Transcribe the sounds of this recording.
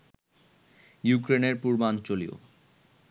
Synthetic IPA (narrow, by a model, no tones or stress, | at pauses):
jukɾeneɾpuɾmant͡ɕolḭo̰